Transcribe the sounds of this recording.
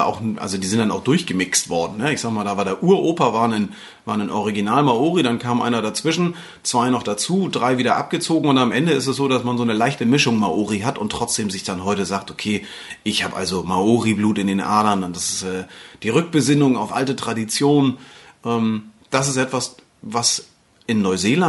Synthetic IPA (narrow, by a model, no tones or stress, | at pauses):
ʔa̰ʊxnʔa̰lzodiːzɪntd̥ana̰ʊxd̥ʊɐçɡ̥əmɪkstv̥ɔɐdn̩nəɪçz̥aːɡmaːldaːvaːɐdeːɐʔuːɐʔoːpɐvaːɐnan | vaːɐnanʔɔʁiɡinaːlmaoːʁidankʰaːmʔa̰ɪnɐɾat͡sv̥ɪʃn̩ | t͡sv̥aɪnɔχd̥at͡suːdʁaɪviːdɐʔap̚ɡ̥ət͡soːɡŋ̩ʊntamʔɛndəɪstɛsz̥oːdasmanzoːnəlaɪçtəmɪʃʊŋmaʔoːʁiɦatʊntːʁ̥ɔt͡sd̥eːmzɪçd̥anɦɔʏtəzaːk̚tokʰeː | ʔɪçhaːbʔa̰lzomaoːʁibluːtɪndeːnʔa̰ːɐɾɐndandasɪ̥sʔɛːd̥iːʁʏk̚b̥əzɪnʊŋaʊfʔaltətʁ̥adit͡sjoːnnʔɛːmd̥as̬ɪstʔɛtv̥as | vas | ʔɪnːɔʏzeːla